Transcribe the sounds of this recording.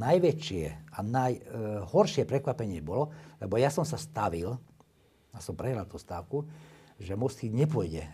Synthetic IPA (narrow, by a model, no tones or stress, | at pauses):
najʋɛt͡ʃɪɛ̰anajhɔɾʃɪɛpɾɛkʋapɛɲɪɛbɔlɔlɛbɔjasɔmsast̪aʋil | asɔmpɾɛɦɾalt̪ust̪aːʊku | ʒɛmɔst̪iɟɲɛp̬ʊɔjɟɛ